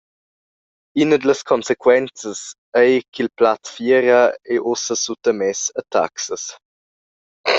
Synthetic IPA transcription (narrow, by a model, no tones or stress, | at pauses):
inəd̪ələskʰɔnsekwɛnt͡səs | ɛjkilplatfjɛːɾəɛʔosəsut̪əmɛsət̪ʰa̰ksəs